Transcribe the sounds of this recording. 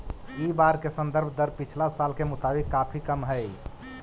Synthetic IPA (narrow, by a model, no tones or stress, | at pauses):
ibaɾkesə̃nd̪əɾbʱd̪əɾpit͡ʃʰlasalkemʊt̪aːbikːapʰikəmɦəj